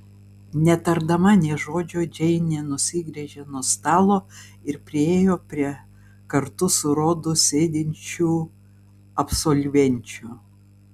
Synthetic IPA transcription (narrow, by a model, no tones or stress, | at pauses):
nʲɛt̪ɐɾd̪ɐmɐnʲɛʒoːd͡ʒʲoːd͡ʒʲɛɪnʲɛːnʊsʲɪɡɾʲɛʒʲenuɔst̪ɑːlˠoːɪɾpʲɾʲɪeːjoːpʲɾʲiɛ | kɐɾt̪ʊsʊɾoːd̪ʊsʲeːd̪ʲɪnʲt͡ʃʲuː | ɐpsoːlʲʋʲɛnʲˑt͡ʃʲʊ